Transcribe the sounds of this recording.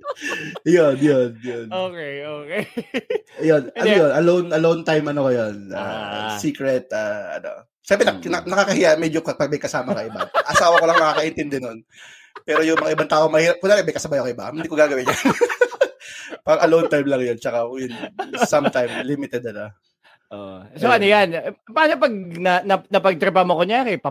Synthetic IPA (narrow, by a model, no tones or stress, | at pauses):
jonjonjonokeok | jonɐnojonɐlownʔɐlownt̪ajmʔɐnokɐjonʔa̰siːkɾɛt̪̚aʔɐ̰no̰ | saːbɛnɐnɐnɐkakɐhɪjamɛd͡ʒokɐpɐɡ̚mɛjkɐsaːmɐkɐʔɪba̰ʔɐsaːwɐko̞lɐŋnɐkaːkɐʔɪnt̪ɪnd̪ɛnon | pɛːɾojʊŋmɐŋaʔɪbant̪aːʔoŋmɐhiːɾɐp̚kʊnaːɾɛmɛjkɐsɐbajokojba̰hɪnd̪ikoɡaːɡɐwɪɲɐn | pɐɡʔɐlownt̪ajmlɐŋjont͡ʃɐkajʊnsɐmt̪ajmlimɪt̪ɛd̪ɐno | ʔo̰ʔsoʔɐnojanpɐanopɐɡ̚nɐnɐnɐpɐɡ̚t̪ɾɛpamokoɲaːkɛpɐ